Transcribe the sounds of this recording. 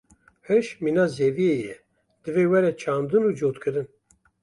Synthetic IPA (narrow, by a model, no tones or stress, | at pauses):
hɨʃminɑːzevieːjɛ | d̪̥ɨveːwɛɾɛt͡ʃʰɑːnd̪ɨnuːd͡ʒoːt̪kʰɨɾɨn